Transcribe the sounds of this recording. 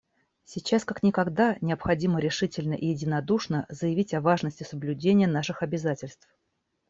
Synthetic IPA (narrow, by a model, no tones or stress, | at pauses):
sʲɪt͡ɕaskaknʲɪkɐɡd̪anʲɪəpxɐdʲiməɾʲɪʂɨtʲɪlʲnəʔɪjɪdʲɪnɐd̪uʂnəzəjɪvʲitʲɐvaʐnəsʲtʲɪsəblʲʉdʲenʲɪjən̪aʂɨxɐbʲɪzatʲɪlʲst̪f